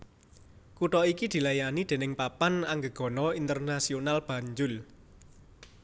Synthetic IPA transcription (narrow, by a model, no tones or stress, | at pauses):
kuʈɔikid̪̥i̤lajanid̪̥e̤nɪŋpapanaŋɡəɡ̥ɔ̤nɔint̪ərnasionalb̥ä̤ɲd͡ʒʊl